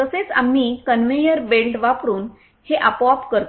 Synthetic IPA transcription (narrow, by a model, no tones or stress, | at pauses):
k̪əset͡sa̰mːiːkənʋejəɾbelʈʋapɾuːn | heʔapɔapkəɾt̪